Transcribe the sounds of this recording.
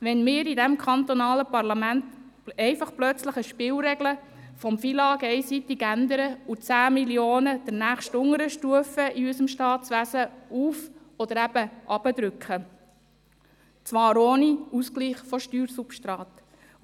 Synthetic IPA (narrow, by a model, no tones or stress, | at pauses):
ʋɛnmɪːɾidɛmkʰɑnt̪ɔnɑːləpɑrlɑmænt̪ | ɛɪfɑχplœt͡sləχəʃpɪːlɾɛɡlə | fɔmfiːlɑːɡɛɪsit̪ɪɡænd̪əɾəut͡sæːmiljoːnəd̥̪əɾnæːχʃtʊŋəɾəʃtuəfəʔiysəmʃtɑːt̪t͡sʋæsəuːfɔd̪əɾæb̥əʔɑb̥ədɾʏkχə | t͡sʋɑːɾoːniuskliːχfɔʃtyːɾsupʃtɾɑːt̪